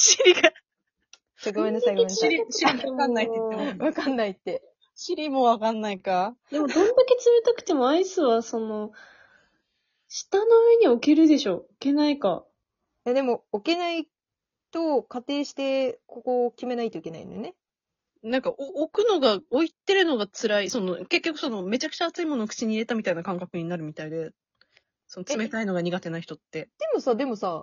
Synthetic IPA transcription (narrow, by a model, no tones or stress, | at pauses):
ɕiɾʲiɡa | saɡomenːosaiɡomeɾiiɾikanːaiβakãnːait̪ːe̞ | ɕiɾʲimoβakãnːaikad̪e̞mod̪õ̞nd̪ake̞t͡sɨme̞t̪akɯ̟̥t̪e̞mo̞aisɨβaso̞no̞ | ɕi̥t̪ano̞ɯ̟eɲ̟io̞keɾɯ̟d̪e̞ɕo̞ːke̞naika̰ | jad̪e̞mo̞oke̞nai | t̪o̞kat̪e̞ːɕi̥t̪e̞kokokʲime̞nait̪o̞ike̞na̰ḭnjone̞ | nãŋkaʔookɯ̟no̞ɡaoit̪ːe̞ɾɯ̟no̞ɡat͡sɨɾaiso̞noke̞kʲːokɯ̟̥so̞no̞me̞t͡ɕakɯ̟̥t͡ɕaːt͡sɨimo̞nokɯ̟̥t͡ɕiɲ̟iːɾe̞t̪amʲit̪ainakãŋkakɯ̟ɲ̟inaɾɯ̟mʲit̪aid̪e̞ | so̞not͡sɨɨme̞t̪aino̞ɡaɲ̟iɡat̪e̞naiçi̥t̪ot̪ːe̞d̪̥e̞mo̞sad̪e̞mo̞sa